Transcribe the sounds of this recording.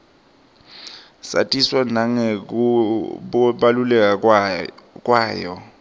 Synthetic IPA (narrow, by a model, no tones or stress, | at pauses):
sa̰tʼiswanaŋek̬u | ɓalulɛk̬ʼa | k̬ʼwaːjɔ